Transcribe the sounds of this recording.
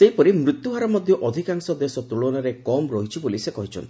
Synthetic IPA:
seɦipɔɾimɾutt̪ːjuɦaɾɔmɔd̪ʱjɔʔɔd̪ʱikaŋsɔd̪esɔt̪ɾuɭɔnaɾekɔmɾɔɦit͡ʃʰibolisekɔɦit͡ʃʰɔ̰nt̪i

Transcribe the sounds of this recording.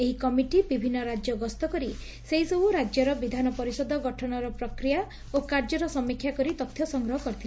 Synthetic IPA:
eɦikɔmiʈibibʱinːɔɾad͡ʒjɔɡɔst̪ɔkɔɾi | seɦisɔbuɾad͡ʒjɔɾɔbid̪ʱanɔpɔɾisɔd̪ʱɔɡɔʈʰɔnɔɾɔpɾɔkɾija | okaɾd͡ʒɔɾɔsɔmːikʰjakɔɾit̪ɔt̪ʰːjɔsɔŋɡɾɔɦɔkɔɾit̪ʰila

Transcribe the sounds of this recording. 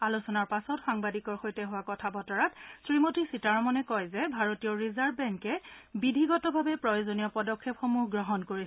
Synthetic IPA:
alusɔnaɹpasɔtxaŋbadikɔɹxojtɛɦʊwakɔtʰabɔtɔɹatsɹimotisitaɹɔmɔnɛkɔjzɛbʱaɹotiɔɹizaɹbbɛŋkɛbidʱiɡɔtɔbʱabɛpɹɔjozonijɔpɔdɔkʰːepxomuɦɡɹɔɦɔnkoɹisɛ

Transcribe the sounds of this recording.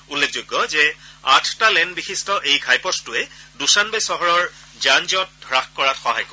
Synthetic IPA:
ulːek̚ʰzojɡːɔzɛa̰tʰtalɛnbixʰistɔʔejɡʱajpɔstʊɛdusanbajsɔɦɔɹɔɹ | zanzɔt̚dʱɹaxkɔɹatxɔɦajkɔ

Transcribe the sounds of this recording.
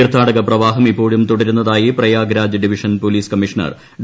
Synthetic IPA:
rt̪ʰːaːɽɐɣɐprɐʋaːɦɐmipːo̞ːɻumt̪uɽɐɾunːɐðaːjiprɐjaːɡɾaːd͡ʑɐɖiʋiʂɐnpoliːskɐmiʂɐnɐ̰r | ɖ

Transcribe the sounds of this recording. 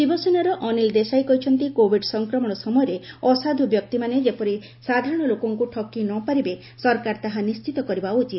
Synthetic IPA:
dibɔsenɔɾɔʔɔnild̪esajkɔɦit͡ʃʰɔnt̪ikobʱiɖsɔŋkɾɔmɔɽ̃ɔsɔmɔjɔɾeɔsad̪ʱubjɔk̚t̪imaned͡ʒepɔɾi | sad̪ʱaɾɔɽ̃ɔlokɔŋkuʈʰɔkːinɔpaɾibe | sɔɾkaɾt̪aɦanist͡ʃit̪ɔkɔɾibaut͡ʃit̪̚

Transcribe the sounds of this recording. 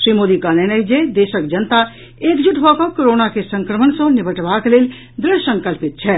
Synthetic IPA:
ʃɾimod̪ikanenəjd͡ʒed̪esəkd͡ʒənt̪a | ekd͡ʒuʈʰbʱɔkəkoɾonakesəŋkɾəmənsə̃nibʱəʈbaklel | d̪ɾɪsə̃ŋkəlpit̪̚t͡ʃʰɛ

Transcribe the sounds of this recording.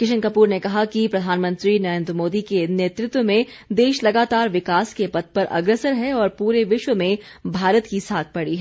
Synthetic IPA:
kɪʃə̃ŋkəpuːɾnekɐɦakipɾɐd̪ʱaːnmə̃nt̪ɾinɐɾẽːnd̪ɾəmoːd̪ikeneːt̪ɾɪt̪wəmẽ | d̪eːʃlɐɡaːt̪aːɾʋɪkaːskepɐt̪̚pɐɾʔɐ̰ɡɾəsəɾɦɛɔːɾpuːɾeʋɪʃwəmẽbʱaːɾət̪kisaːk̚ʰpɐɽiɦɛ

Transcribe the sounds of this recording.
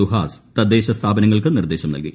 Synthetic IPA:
uɦaːst̪ɐd̪ːeːɕɐst̪ʰaːbɐnɐŋːɐɭkɨnird̪e̞ːɕɐmnɐlɡi

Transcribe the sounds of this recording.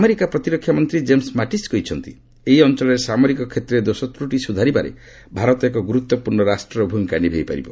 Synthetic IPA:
ameɾikapɾɔt̪iɾɔkʰːjamɔnt̪ɾid͡ʒemsmaʈisɡoit͡ʃʰɔnt̪ḭ | eɦiɔnt͡ʃɔlɔɾesamɔɾikɔkʰet̪ɾed̪osɔt̪ɾuʈisud̪ʱaɾibaɾḛ | bʱaɾɔt̪ɔekɔɡuɾut̪ːɔpuɾɳɔɾasʈɾɔbʱumikanibʱejpa̰ɾḭbɔ

